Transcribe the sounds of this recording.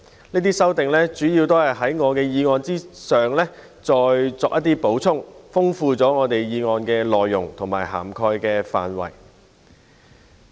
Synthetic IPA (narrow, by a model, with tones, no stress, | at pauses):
niː˥t̪iː˥sɐ˥wt̪ɪ˨ŋlɛ˥t͡ʃyː˨˥jiː˧wt̪o˥whɐ˨jɦɐ˨˥jŋɔː˨˧kɛː˧jiː˧ŋɔː˧nt͡siː˥sœː˨ŋlɛː˥ | t͡sɔː˧jt͡sɔː˧k̚ʔɐ˥t̪iː˥po˨˥wt͡sʰʊ˥ŋfʊ˥ŋfuː˧t͡sɔː˨˥ŋɔː˨˧t̪e˨jjiː˨˧ŋɔː˧nkɛː˧lɔː˨jːʊ˨˩ŋt̪ʰʊ˨˩ŋmaː˨˩jɦa̰ː˨˩mkʰɔː˧jkɛː˧fa̰ː˨˧nwɐ̰˨˩j